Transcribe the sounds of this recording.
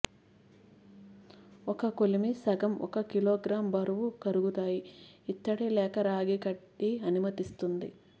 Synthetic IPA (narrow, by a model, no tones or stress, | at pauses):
ɔkɐkolimisɐɡɐmɔ̰kɐkiloːɡɾaːmbɐɾuʋukɐɾuɡut̪aːjiːt̪ːɐɽilɛːkɐɾaːɡikɐʈːiɐnumɐt̪ist̪und̪ḭ